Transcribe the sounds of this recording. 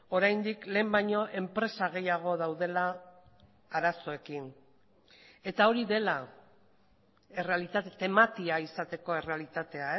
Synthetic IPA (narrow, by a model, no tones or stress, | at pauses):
o̞ɾajnd̪ikle̞ːmbajɲo̞ʔe̞mpɾe̞saɣ̞e̞jaɣ̞o̞ðawðe̞laː | ɾaso̞e̞kin | e̞t̪ao̞ɾiðe̞la | e̞re̞alit̪at̪et̪e̞mat̪iaisat̪e̞ko̞e̞re̞alit̪at̪e̞ae